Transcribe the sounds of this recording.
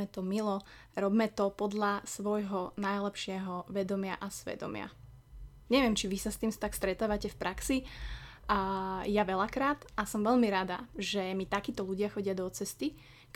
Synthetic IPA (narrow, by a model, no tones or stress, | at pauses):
ɛt̪ɔmilɔɾɔbmɛt̪ɔpɔd̪ʎasʋɔjɦɔnajlɛpʃɪɛɦɔʋɛd̪ɔmɪaʔasʋɛ̰d̪ɔ̰mɪa̰ | ɲɛʋɪɛmt͡ʃiʋisast̪iːmst̪akst̪ɾɛt̪aːʋacɛfpɾʔaksi | jaʋɛʎakɾaːt̪asɔmʋɛʎmiɾad̪a̰ʒɛmit̪akiːt̪ɔluɟɪaxɔɟɪad̪ɔt͡sɛst̪i | k